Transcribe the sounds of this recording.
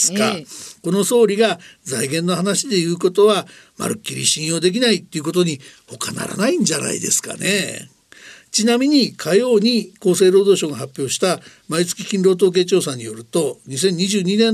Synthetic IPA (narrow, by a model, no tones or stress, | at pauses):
ska̰ko̞no̞so̞ːɾʲiɡazaiɡẽ̞nːo̞hanaɕid̪e̞jɯ̟ːko̞t̪o̞βama̰ɾɯ̟kʲːiɾʲḭɕĩɰ̃o̞d̪e̞k̬ʲinait̪ːe̞iɯ̟k̬o̞t̪oɲ̟iho̞ka̰na̰ɾa̰naĩɲ̟d͡ʑana̰ḭd̪e̞̰sɨ̥ka̰ne | t͡ɕinamʲiɲ̟ikʰajo̞ːɲ̟iko̞ːse̞ːɾo̞ːd̪o̞ːɕõ̞ŋɡaɦapʲːjo̞ːɕi̥t̪a | mait͡sɨ̥kʲikʲĩnɾo̞ːt̪̬o̞ːk̬e̞ːt͡ɕo̞ːsãɲ̟ːijo̞ɾɯ̟t̪o̞ɲ̟is̬ẽ̞ɲ̟ːiʑɨːɲ̟inẽ̞